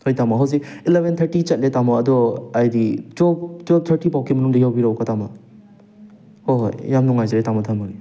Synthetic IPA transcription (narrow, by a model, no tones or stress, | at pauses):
hojtamaɦaws̬iilebʱent̪ʰɐɾtit͡ʃɐt̚letamaːdɔajditɔptɔp̚t̪ʰɐɾtipawkʰimɐnuŋdɐjawbiɾawkatama̰ | hoɦjjamnɔŋajzaɾetamɔtʰɐmani